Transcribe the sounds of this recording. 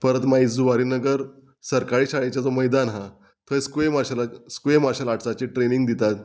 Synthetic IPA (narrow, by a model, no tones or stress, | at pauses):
pəɾət̪maisd͡zuʋaɾiːnəɡəɾ | səɾkaɭiːɕaɭet͡ɕjat͡sɔməjd̪anɦã | t̪ʰəskʋemaɕlskʋemaɕəlaʈʰt͡sat͡ɕeʈɾeniŋɡd̪it̪at̪